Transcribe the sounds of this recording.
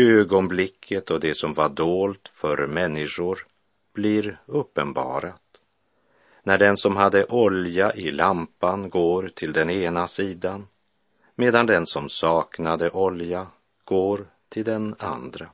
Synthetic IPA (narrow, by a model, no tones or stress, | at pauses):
øːɡɔnblɪkʰːət̪ʰɔd̪ɛsɔmvaɖoːlt̪fœɾmɛnːɪʂʊɾ | b̥lɪɾɵpːənbɑ̰ːɾat̪ | næɖɛnsɔmɦad̪ːəʔɔljaʔɪlampanɡoːɾt̪ʰɪld̪ɛneːnasiːd̪an | meːd̪and̪ɛnsɔmsɑːknad̪əʔɔlja | ɡ̥oːɾ | t̪ʰɪld̪ɛna̰nd̪ɾa